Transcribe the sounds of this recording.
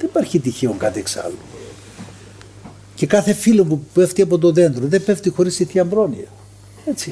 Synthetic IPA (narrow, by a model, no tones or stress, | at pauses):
ðenipɐɾçit̪içe̞oŋkɐt̪ieksɐ̰lːo | ce̞kɐθe̞filopupeft̪iɐpo̞t̪o̞ðe̞nd̪ɾoðepeft̪ixo̞ɾisiθçɐmbɾo̞niɐ | e̞t͡si